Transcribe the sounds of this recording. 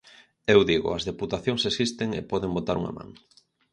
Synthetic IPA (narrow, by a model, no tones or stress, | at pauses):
ewðiɣʊ̰ɐzðeput̪aθjoŋsesist̪eŋepɔðeŋbot̪aɾṵŋɐ̰mã̰ŋ